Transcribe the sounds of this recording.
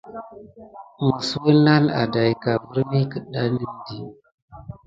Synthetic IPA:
mə˨swə˦na˦na̰˨da˨jka˨və˦ɾmi˦kə˨ɗa˦ni˦mdi˨

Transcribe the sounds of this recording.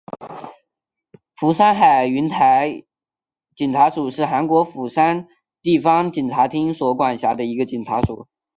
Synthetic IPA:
fu˧˥ʂa˥nxa˨˩ɪy˧˥nt̪ʰa˧˥ɪ | t͡ɕi˨˩nʈ͡ʂʰa˧˥ʂu˨˩ʂɻ̩˥˩xa˧˥nkwɔ˧˥fu˨˩ʂa˥n | t̪i˥˩fɑ˥ŋt͡ɕi˨˩nʈ͡ʂʰa˧˥t̪ʰi˥ŋswɔ˧˥kwa˨˩nɕja˧˥d̪ə˧i˧˥ɡə˧t͡ɕi˨˩nʈ͡ʂʰa˧˥ʂu˨˩˦

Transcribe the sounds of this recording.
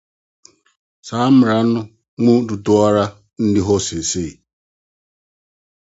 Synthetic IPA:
sa˨˦mʊ˨ɾa˨˦nʊ˦ | ŋu˦du˨tʊ˦a˦ɾa˦ | n̩˦dɪ˦ɦʊ˦sɪ˨se˦˨

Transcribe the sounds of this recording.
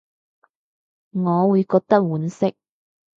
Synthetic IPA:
ŋɔː˨˧wuː˨˧jkɔː˧k̚t̪ɐ˥k̚wuː˨˥nsɪ˥k̚

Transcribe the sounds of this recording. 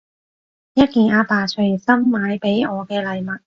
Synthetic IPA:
jɐ˥t̚kiː˨˩nʔaː˧paː˨˩t͡ʃʰɵ˨˩ɥsɐ˥mːaː˨˧jpe˨˥jɔː˨˧kɛː˧lɐ˨˧jmɐ˨t̚

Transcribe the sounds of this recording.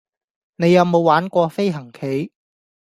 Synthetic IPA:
ne˨˧jːɐ˨˧wmo˨˧wːaː˨˥nkʷɔː˧fe˥jɦɐ˨˩ŋkʰe˨˥j

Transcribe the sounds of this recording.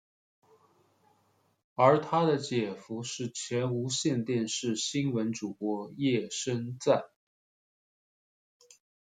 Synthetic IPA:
ə˞˧˥t̪ʰa˥d̪ə˨t͡ɕjɛ˨˩fu˧˥ʂɻ̩˥˩t͡ɕʰjɥɛ˧˥nu˧˥ɕjɛ˥˧nt̪jɛ˥˧nʂɻ̩˥˩ɕi˥nwə˧˥nʈ͡ʂu˨˩kwɔ˧˥jɛ˥˩ʂə˥nt͡sa˥˩ɪ

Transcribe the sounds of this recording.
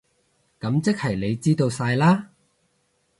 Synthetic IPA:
kɐ˨˥mt͡sɪ˥k̚hɐ˨˩jle˨˧jt͡siː˥t̪o˧wsaː˧jlaː˥

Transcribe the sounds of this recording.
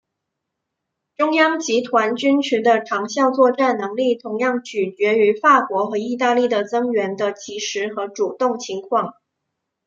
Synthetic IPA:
ʈ͡ʂʊ˥ŋjɑ˥ŋt͡ɕi˧˥t̪ʰwa˧˥nt͡ɕy˥nt͡ɕʰy˧˥d̪ə˧ʈ͡ʂʰɑ˧˥ŋɕjɑ˥˧ʊt͡swɔ˥˧ʈ͡ʂa˥˩nnɤ˧˥ŋli˥˩t̪ʰʊ˧˥ŋjɑ˥˩ŋt͡ɕy˨˩t͡ɕɥɛ˧˥y˧˥fa˥˩kwɔ˧˥xɤ˧˥i˥˧t̪̬a˥˧li˥˩d̪ə˩t͡sɤ˥ŋɥɛ˧˥nd̪ə˧t͡ɕi˧˥ʂɻ̩˧˥xɤ˧˥ʈ͡ʂu˨˩t̪ʊ˥˩ŋt͡ɕʰi˧˥ŋkʰwɑ˥˩ŋ

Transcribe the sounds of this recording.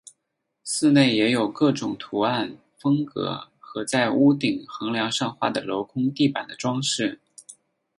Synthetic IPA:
sɹ̩˥˧ne˥˩ɪjɛ˧˥jo˨˩ʊkɤ˥˩ʈ͡ʂʊ˨˩ŋt̪ʰu˧˥a˥˩n | fɤ˥ŋkɤ̰˧˥xɤ˧˥t͡sa˥˩ɪu˥t̪i˨˩ŋxɤ˧˥ŋljɑ˧˥ŋʂɑ˥˧ŋxwa̰˥˩d̪ə˩lo˧˥ʊkʰʊ˥ŋt̪i˥˩pa˨˩nd̪ə˦ʈ͡ʂwɑ˥ŋʂɻ̩˥˩

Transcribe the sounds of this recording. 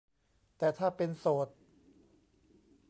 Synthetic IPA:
t̪ɛː˨˩t̪ʰaː˥˩pe˧nsoː˨˩t̪̚

